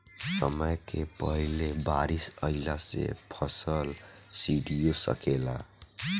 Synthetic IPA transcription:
sə̰məjkepəɦilebaɾisəilasḛpʰəsəlsiɖijosə̰kela̰

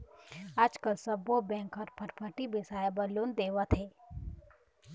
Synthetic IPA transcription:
aːd͡ʒkəlsɐbobɛ̃ːŋkɔːɾpʰɐʈpʰəʈibesaːjebɐloːnd̪eːwat̪ʰɦeː

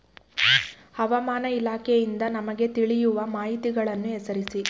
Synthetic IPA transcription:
hɐʋɐmaːnɐilaːkʰejind̪ɐnɐmɐɡe̞t̪iɭijuʋɐmaːɦit̪iɡɐɭɐnːuɛsɐɾisi

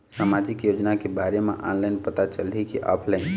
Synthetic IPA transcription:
saːmaːd͡ʒɪkjoːd͡ʒnakebaːɾemḛ̃ʔa̰ːnlaɪnpət̪at͡ʃəlikiʔa̰ːpʰlaɪn

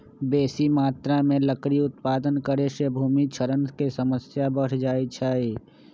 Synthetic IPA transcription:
beːsimaːt̪ɾamẽləkɾiʊt̪paːd̪ənkəɾeʃebʱuːmit͡ʃʰəɾənkesəməsjabəɽd͡ʒaːit͡ʃʰaːiː

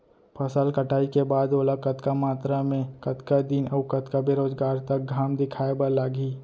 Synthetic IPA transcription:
pʰɐsəlkəʈaːikebaːd̪oːlakət̪kamaːt̪ɾamẽkət̪kad̪inəʋkət̪kabeɾoːzɡaːɾt̪ɐk̚ɡʱaːmd̪ɪkʰaːebalaːɡiː

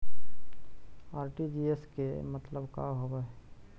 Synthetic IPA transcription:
aːɾʈid͡ʒieskemət̪ləbka̰ɦobɛ

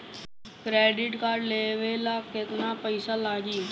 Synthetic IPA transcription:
kɾɛːɖɪʈkaːɾɖleːʋeːlaːkɪt̪naːpəɪsaːlaːd͡ʒiː

